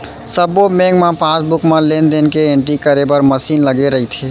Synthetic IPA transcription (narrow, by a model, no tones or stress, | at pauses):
səbomeɡmepʰasbukmelend̪enkeeɳʈɾikəɾebəɾməsinləɡeɾəɦit̪ʰi